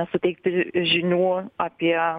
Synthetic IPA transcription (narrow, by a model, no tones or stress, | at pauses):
ɛsʊt̪ʲɛɪk̚t̪ʲɪʒʲɪnʲuːɐpʲiɛ